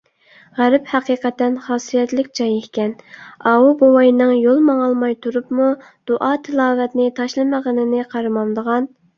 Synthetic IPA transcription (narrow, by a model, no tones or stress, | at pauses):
ʁæɾɪphæqiːqɛt̪ːɛnχɑːsijɛt̪lɪkʲd͡ʒɑjehkʲɛnɑwubowɑjnɨŋjolˠmɑŋɑlˠmɑjt̪ʰuɾupmu | d̪̥oʔɑt̪ʰɨlˠɑːvɛt̪nɪt̪ʰɑʃlˠɨməʁənɪnɪqʰɑɾɨmɑnd̪əʁɑn